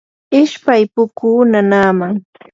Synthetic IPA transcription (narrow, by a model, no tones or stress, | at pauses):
ɪʃpajpʊkuːnanaːmaŋ